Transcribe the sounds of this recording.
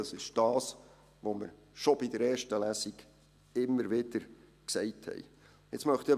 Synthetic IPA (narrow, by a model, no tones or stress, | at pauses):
ɑsɪʃd̥ɑːs | ʋoməɾ | ʃobidəɾɛːrʃtəlæsiɡ | ɪmːəɾʋɪd̥əɾ | ksɛɪthɛ̰j | ɪt͡smœχt̪i